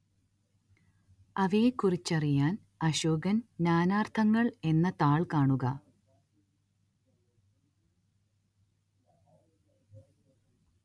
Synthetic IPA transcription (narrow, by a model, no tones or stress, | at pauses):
ɐʋeːkːurit͡ɕːɐrijaːn | ɐɕoːɡɐnnaːnaːrt̪ʰɐŋːɐɭe̞nːɐt̪aːɭkaːɳuɣɐ